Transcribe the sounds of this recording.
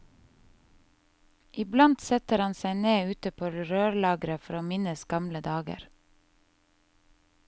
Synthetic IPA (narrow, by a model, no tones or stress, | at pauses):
ʔɪblɑnt̪sɛt̪əɾɑnsæɪneːʉːt̪əpʰoːɾøːɾlɑːɡɾəfɔɾoːmɪnəsɡɑmləd̪ɑːɡə̰ɾ